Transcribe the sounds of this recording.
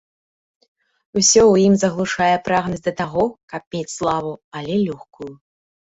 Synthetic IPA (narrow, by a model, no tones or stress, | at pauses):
usʲɔwjimzɐɣlˠuʂajɛpɾaɣnɐzʲd̪ɐt̪aɣɔkɐp̚mʲet͡sʲslˠavuɐlʲɛlʲɔxkuju